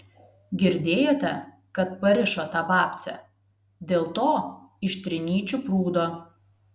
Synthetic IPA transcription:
ɡʲɪɾʲd̪ʲeːjoːt̪ʲɛ | kɐt̪̚pɐɾʲɪʃoːt̪ɑːbɑːpʲt̪sʲɛ̰ | d̪ʲeːlˠt̪oːɪʃʲt̪ʲɾʲɪnʲiːt͡ʃʲʊpɾuːd̪oː

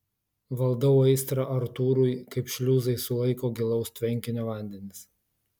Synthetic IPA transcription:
ʋɐlˠd̪ɐʊɐɪst̪ɾɐʔɐɾt̪uːɾujkɐɪpʃʲlʲuːzɐɪsʊlˠɐɪkoːɡʲɪlˠɐʊst̪ʲʋʲɛŋʲkʲɪnʲoːʋɐˑnʲd̪ʲɛnʲɪs

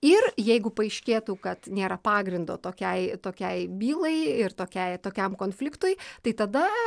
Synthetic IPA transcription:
ɪrjɛɪɡʊpɐɐɪʃʲkʲeːt̪uːkɐt̪nʲeːɾɐpɑːɡɾʲɪnd̪oːt̪oːkʲɛɪt̪oːkʲɛɪbʲiːlˠɐɪɪrt̪oːkʲɛɪt̪oːkʲɛmkoːnfʲlʲɪkt̪ʊjt̪ɐɪt̪ɐd̪ɐ

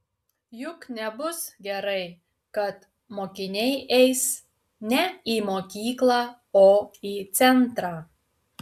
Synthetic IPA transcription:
jʊknʲɛbʊsɡʲɛɾɐɪ | kɐt̪ | moːkʲɪnʲɛɪʔɛɪs | nʲɛiːmoːkʲiːklˠɑː | oːiːt̪sʲɛnt̪ɾɑː

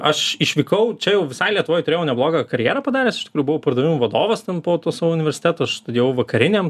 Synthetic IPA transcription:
ɐʃɪʃʲʋʲiːkɐʊt͡ʃʲɛjɛʊʋʲɪsɐɪlʲiɛt̪ʊʋoːjt̪ʊɾʲeːjɛʊnʲɛblˠoːɡɑkɐɾʲjeːɾɑːpɐd̪ɑːɾʲeːsɪʃt̪ʲɪkɾujubʊʋɐʊpɐɾrd̪ɐːʋʲɪmʋɐd̪oːʋɐst̪ʲɛnpoːt̪oːsɑːʋoːʊnʲɪʋʲɛɾʲsʲɪ̥t̪ʲæːt̪oːʃt̪ɐjɛʊʋɐkɐɾʲɪnʲeːm

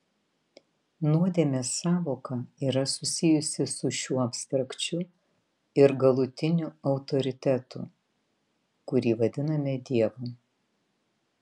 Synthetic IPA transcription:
nuɔd̪ʲeːmʲesɑːʋoːkɐiːɾɐsʊsʲɪjʊsʲɪsʊʃʲuːɐpʲst̪ɾɐkt͡ʃʲʊ | ɪɾɡɐlˠʊt̪ʲɪnʲʊɐʊt̪ɔɾʲɪt̪ʲɛt̪ʊ̰ | kʊɾʲiːʋɐd̪ʲɪnɐmʲɛd̪ʲiɛʋʊ

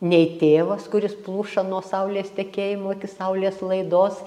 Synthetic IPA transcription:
nʲɛɪt̪ʲeːʋɐskʊɾʲɪsplˠuːʃɐnuɔsɐʊlʲeːst̪ʲɛkʲeːjɪmoːɪkʲɪsɐʊlʲeːslˠɐɪd̪oːs

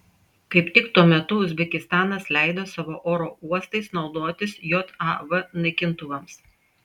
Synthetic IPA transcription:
kɐɪpt̪ʲɪkt̪uɔmʲɛt̪ʊʊzʲbʲɛkʲɪst̪ɑːnɐslʲæɪd̪oːsɑːʋoːʔoːɾoːuɔst̪ɐɪsnɒʊd̪oːt̪ʲɪsjoːt̪ɑʋɐnɐɪkʲɪnt̪ʊʋɐms

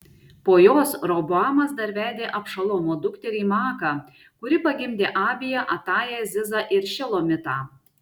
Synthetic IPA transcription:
poːjoːsɾobʊɑːmɐsd̪ɐɾʲʋʲæːd̪ʲeːʔɐpʃɐlˠoːmoːd̪ʊkt̪ʲɛɾʲiːmɑːkɑ | kʊɾʲɪpɐɡʲɪmʲd̪ʲeːʔɑːbʲɪjɛʔɐt̪ɑːjɛːzʲɪzɑːʔɪɾʃʲɪlˠoːmʲɪt̪ɑː

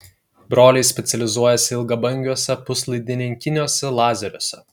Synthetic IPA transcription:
bɾoːlʲɛɪsʲpʲɛt̪sʲɛlʲɪzuɔjɛsʲɪɪlˠɡɐbɐŋʲɡʲuɔsʲɛpʊslˠɐɪd̪ʲɪnʲɪŋʲkʲɪnʲɪjoːsʲɛlˠɑːzʲɛɾʲoːsʲɛ

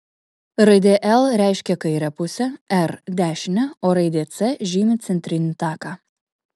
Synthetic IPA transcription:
ɾɐɪd̪ʲeːʔɛlˠɾʲæˑɪʃʲkʲɛkɐɪɾʲɛpʊsʲɛɛɾd̪ʲæːʃʲɪnʲɛoːɾɐɪd̪ʲeːt̪sɛʒʲiːmʲɪt̪sʲɛnʲt̪ʲɾʲɪnʲit̪ɑːkɑː

